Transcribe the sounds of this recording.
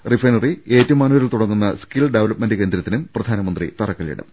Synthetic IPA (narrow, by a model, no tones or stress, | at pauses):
rifrɐjnɐrie̞ːtːɐʋmːaːnuʋɐɾilt̪uɽɐŋːunːɐskilɖeʋɐlɐpmenɖɨke̞ːnd̪ɾɐt̪ːinumprɐd̪ʱaːnɐmɐnd̪rḭt̪ɐrɐkːɐɭjḭɽɨ̰m